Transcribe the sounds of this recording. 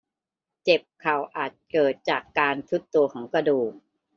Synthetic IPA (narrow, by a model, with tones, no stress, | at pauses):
t͡ɕe˨˩p̚kʰa˨˩wʔaː˨˩t̪̚kɤː˨˩t̪̚t͡ɕaː˨˩kːaː˧nt̪ʰu˦˥t̪ːu˧ɐkʰɔː˩˦ŋkɾa˧duː˨˩k̚